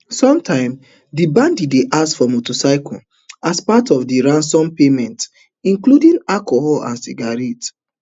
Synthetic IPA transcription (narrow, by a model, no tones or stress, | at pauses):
sɔ̃mtʰãɪ̃m | dibãndideʔasfɔmotosaɪkɔ̰̃n | aspatɔfdiɹãnsɔ̃mpemɛ̃nt | ĩŋkludĩŋakohɔlã̰nsḭɡaɹɛt